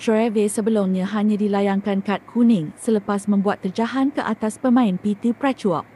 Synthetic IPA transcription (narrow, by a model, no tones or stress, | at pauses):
t̪oɛvesəbəlʊmɲãɦaɲãdilajaŋkankat̪̚kʰunɪŋsələpasmə̃mbuat̪̚ːərd͡ʒaɦankəʔat̪aspəmãɪnpit̪ipɾat͡ʃua̰